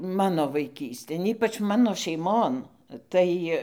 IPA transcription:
ˈmɑːnoː ʋɐɪˈkʲiːsʲtʲeːn ˈiːpɐt͡ʃ ˈmɑːnoː ʃʲɛɪˈmoːn tɐɪ

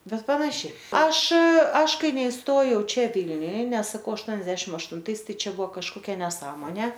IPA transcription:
ˈbʲɛt ˈpɑːnɐʃʲɛɪ ˈɐʃ ˈɐʃ ˈkɐɪ nʲɛɪsˈtoːjɛʊ ˈt͡ʃʲɛ ˈʋʲiːlʲnʲʊj ˈnʲɛs sɐˈkɐʊ ɐʃˈtuɔnʲɛdʲɛʃʲɪm ɐʃtʊnˈtɐɪs ˈtɐɪ ˈt͡ʃʲɛ ˈbʊʋoː kɐʃkoːˈkʲɛ nʲɛˈsɑːmoːnʲeː

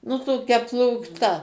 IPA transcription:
nʊ toːˈkʲɛ plˠuːkˈtɐ

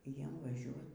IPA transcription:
ˈjiɛm ʋɐˈʒʲuɔt

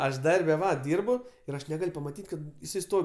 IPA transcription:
ˈɐʃ ˈdɐrʲbʲɛ ˈʋɐ ˈdʲiːrbʊ ɪr ˈɐʃ nʲɛˈɡɐlʲ pɐmɐˈtʲiːtʲ ˈkɐt jɪˈsɐɪ ˈstoːw

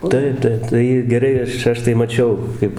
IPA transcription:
ˈtɐɪp ˈtɐɪp tɐɪ ɪr ɡʲɛˈrɐɪ ˈɐʃ ˈɐʃ tɐɪ mɐˈt͡ʃʲɛʊ ˈkɐɪp

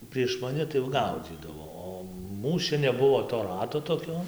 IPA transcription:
pʲrʲiɛʃ mɐˈnʲɪ tɐɪ jɛʊ ˈɡɐʊd͡zʲiːdɐʋoː ˈoː ˈmuːs t͡ʃʲɛ nʲɛˈbʊʋoː toː ˈrɑːtoː toːˈkʲoː

